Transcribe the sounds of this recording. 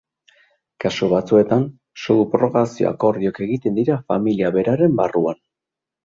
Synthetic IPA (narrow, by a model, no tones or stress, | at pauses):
kasuβat͡sue̞t̪an | soɣupɾo̞ɣasio̰a̰ko̞ɾðioke̞ɣit̪e̞nd̪iɾafamiliaβe̞ɾaɾe̞mbaruan